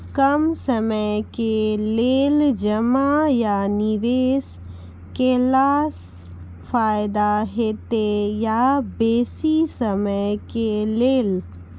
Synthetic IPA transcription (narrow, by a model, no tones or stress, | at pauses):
kɐmsɐməjkeleːld͡ʒɐmajanɪʋeːs | keːlaːs | faːɪd̪aɦeːt̪ejabeːsisɐməjkeleːl